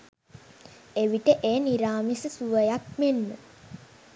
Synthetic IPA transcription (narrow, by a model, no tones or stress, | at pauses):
eʋiʈəʔeːniɾaːmisəsuʋəjakmenːə